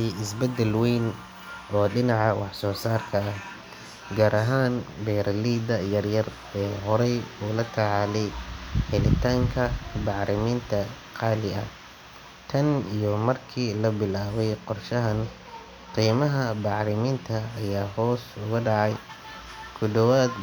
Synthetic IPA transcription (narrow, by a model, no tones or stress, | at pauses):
iɪsbɛd̪ɛlwɛjn | ʔɔːɖɪnɑʕɑwʔɑħsɔːsaːrkʰɐːh | ɡaːɾʔɐɦaːnbɛːɾʔɐliːd̪ɐjɐrjɐr | ɛːɦɔɾɛjuːlɐt̪ʰɐʕɑlɛjhɛlɪt̪ʰaːŋkʰɐbɑʕɾʔɪmiːnt̪ʰɐ | qɑːlɪɐ | t̪ʰɐnijɔmɐrkʰiːlɐbɪlaːβɛjqɔrʃɐɦɐn | qiːmɐɦɐbɑʕɾɪmiːnt̪ʰɐːjaːɦɔːsʊɣʊɖɑʕɑj | kʰʊdɔwaːd̪